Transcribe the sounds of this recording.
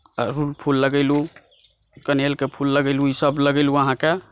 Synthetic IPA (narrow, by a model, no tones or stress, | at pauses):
ɾulpʰulːəɡəɪlu | kənelkepʰulːəɡəɪluisəbləɡəɪluəɦãke